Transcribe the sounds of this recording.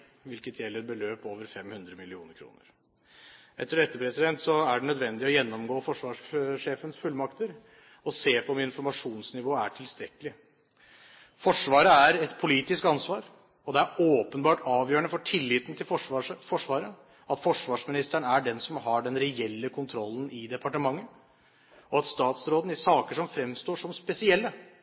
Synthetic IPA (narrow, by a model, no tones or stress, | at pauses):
ʋɪlkət̪ʰjɛlːəɾbəløːpoːʋəɾfɛmhʉnd̪ɾəmɪlɪṵːnəɾkʰɾṵːnə̰ɾ | ɛt̪ːəɾɛt̪ːəɾpʰɾɛsɪd̪ɛnt̪sɔæɖɛnœd̪ʋɛnd̪ɪɔjɛnːɔmɡoːfɔʂʋɑːʂʂeːfənsfʉlːmɑkt̪əɾ | ɔseːpʰɔɔmɪnfɔɾmɑʂuːnsnɪʋoːəæʈʰɪlst̪ɾɛkəlɪ | fɔʂʋɑːɾəæɾɛt̪pʰʊliːt̪ɪskɑnsʋɑːɾ | ɔd̪ɛæɾoːpənbɑːʈɑːʋjøːɾəɳəfɔʈʰɪlːiːt̪ənt̪ʰɪlfɔʂʋɑːɾə | ɑt̪fɔʂʋɑːʂmɪnɪst̪əɳæɖɛnsɔmɦɑɖɛnɾɛɛlːəkʰʊnt̪ʰɾɔlːn̩ʔɪd̪ɛpɑʈəmɑŋːə | ɔɑt̪st̪ɑːt̪sɾoːd̪n̩æsɑːkəʂɔmfɾɛmst̪oːʂɔmspɛsɪɛlːə